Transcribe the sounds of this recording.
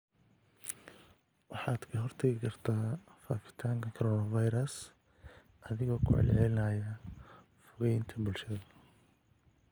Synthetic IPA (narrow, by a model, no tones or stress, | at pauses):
wɑħɑːd̪kʰɐɦɔrt̪ʰɛɣɪkʰɐrt̪ʰaːfa̰ːfɪ̥t̪ʰaːŋkʰɐkʰɔɾɔːnɐvɐjɾɐs | ɐðɪɣɔːkʰʊ̰ʕɛ̰lʕɛlɪnɐːjɐ | fʊɣɛjnt̪ʰɐbʊlʃɐðɐ